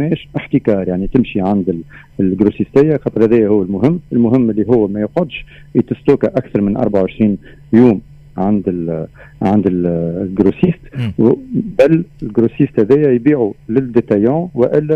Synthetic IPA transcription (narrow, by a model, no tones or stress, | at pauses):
mɛːʃʔɪħt̪ikɑːɾˤjaʕnit̪ɪmʃiʕand̪ɪ | lɡɾusist̪ɪjːæxɑt̪ˤɾˤhæðɛːjːæhʊwːælmʊɦɪmːɪlmʊɦɪmːɪlːiɦʊwːmæjʊqʊd̪ʃ | it̪ɪst̪uːkæʔækθɑɾˤmɪnʔɑɾˤbaʕʊwʕɪʃɾiːn | juːm | ʕand̪ɪl | ʕand̪ɪlɡɾusiːst̪ | bælɪlɡɾusiːst̪hæðɛːjːæjbiːʕulɪd̪et̪æjɑ̃wɪʔɪlːæ